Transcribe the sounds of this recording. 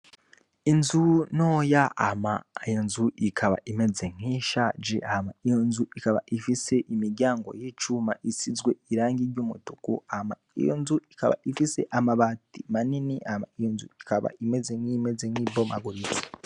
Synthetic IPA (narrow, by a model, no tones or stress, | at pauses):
inzunoːjaa̰ma̰jonzuʔikʰaβa̰ʔime̞zeŋ̥hiʃad͡ʒeʔahamaijo̞nzuikaβa̰ʔifise̞ʔimiɾɟaːŋɡo̞̰jiːt͡ʃumaʔisizɡwe̞iɾaːŋɡiɾɟuːmutukuahama̰ | ḭjo̰nzuika̰βa̰ifise̞̰ʔamaβatimaniniʔahamaijonzuikaβa̰ime̞zeŋ̥ime̞zeŋ̥ibomʔa̰ɡuɾit͡si̥